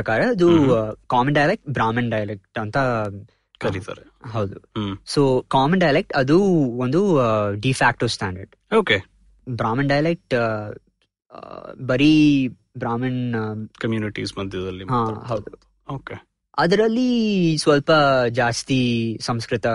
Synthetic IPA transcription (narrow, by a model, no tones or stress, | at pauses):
pɐkaːɾɐːd̪ukaːmɐɳɖɐjɐlek̚ʈbɾaːmɐnɖɐjɐlek̚ʈɐnt̪ɐ | kɐɾit̪a̰ːɾeɦɐwd̪usoːkaːmɐnɖɐjɐlek̚ʈɐd̪uond̪uɖifʰaːk̚ʈosʈaːɳɖɐɾɖ | oːke | bɾaːmɐnɖɐjɐlek̚ʈ | bɐɾi | bɾaːmɐnkɐmjuːniʈḭsmɐd̪ʱjɐd̪ɐlːiɦãːɦɐwd̪u | oːke | ɐd̪ɐɾɐlːisʋɐlpɐd͡ʒaːst̪isɐ̃mskɾɪt̪ɐ